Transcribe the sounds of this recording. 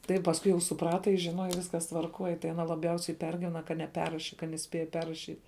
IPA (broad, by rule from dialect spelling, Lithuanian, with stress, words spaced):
ˈtɐɪ pɐsˈkʊɪ jɛʊ sʊˈprɑːtɐ jɪs ʒʲɪˈnoːjɛ ˈʋʲɪskɐs tʋɐrˈkoːj tɐɪ ɐˈnɐ lˠɐˈbʲjɛʊsʲɛɪ ˈpʲɛrʲɡʲɪʋʲɛnɐ kɐ nʲɛˈpʲɛrrɐʃʲɪ kɐt nʲɛˈsʲpʲeːjɛ ˈpʲɛrrɐʃʲiːtʲ